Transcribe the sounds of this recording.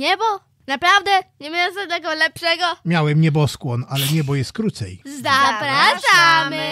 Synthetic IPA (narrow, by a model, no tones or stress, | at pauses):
ɲɛbɔ | napɾavd̪ɛɲɛmʲɛjɛsɛɛɡɔlɛpʂɛɡɔmʲjawɛmɲɛbɔskwɔnalɛɲɛbɔjɛst̪̚kɾut̪sɛ̰jzapɾaʂam